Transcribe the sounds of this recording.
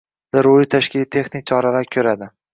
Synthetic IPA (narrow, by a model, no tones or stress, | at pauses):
d̪aɾuɪt̪ʰaʃkʲɪlit̪ʰe̞χnɪk̚ʲt͡ʃʰɒɾalaɾkʲʰɵɾad̪ɪ